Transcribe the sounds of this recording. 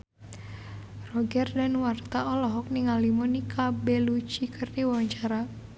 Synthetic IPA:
rɔɡɛrdanwart̪aɔlɔɦɔk̚niŋalimɔnikʰabelut͡ʃikərniwɔɲt͡ʃaɾa

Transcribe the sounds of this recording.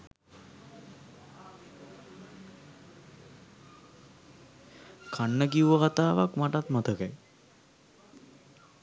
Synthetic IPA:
kʰaɳːək̬iuʋəkat̪aːʋakmaʈat̪mɐt̪ʰəkaj

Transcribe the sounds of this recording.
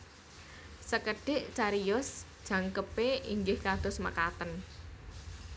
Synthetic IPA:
səkəɖ̥ɪʔt͡ʃaɾijʊsd̥ʒ̥ä̤ŋkəpeiŋɡɪhkad̪̥ʊ̤smə̰kat̪ən

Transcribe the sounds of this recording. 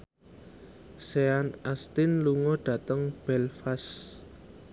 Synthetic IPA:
seanast̪ɪnluŋɔɖ̥ä̤t̪əŋb̥ɛlfas

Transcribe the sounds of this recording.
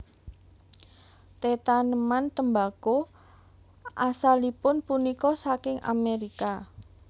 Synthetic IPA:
t̪et̪anəmant̪əmbako | ʔasalipʊnpunikɔsakɪŋa̰meɾika

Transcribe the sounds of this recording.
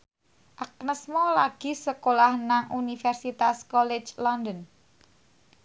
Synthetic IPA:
ʔak̚nəsmɔlaɡ̥i̤səkolahnaŋʔunifɛrsit̪askɔlɪ̥d͡ʒlɔnd̪ən

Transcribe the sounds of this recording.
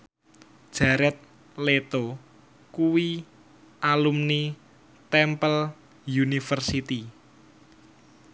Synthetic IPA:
d̥ʒ̥aɾɛt̪̚ | let̪o | kuwi | ʔalumni | t̪ɛmpəl | junifərsit̪i

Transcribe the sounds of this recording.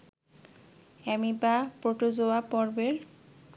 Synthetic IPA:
ɛmibapɾoʈod͡ʑoapɔɾbeɾ

